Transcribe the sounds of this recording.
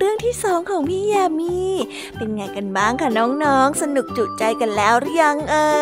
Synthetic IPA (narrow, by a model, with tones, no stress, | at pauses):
ɾɯ˥˩əŋt̪ʰiː˥˩sɔː˩˦ŋkʰɔː˩˦ŋpʰiː˥˩jaː˧miː˧˩ | pe˧nŋaː˧jka˧nbaː˥˩ŋkʰa˥˩nɔː˦˥ŋnɔː˦˥ŋsa˧nu˨˩k̚t͡ɕu˨˩t̪̚t͡ɕa˧jka˧nlɛː˦˥wɾja˧˦˥ŋʔɤː˧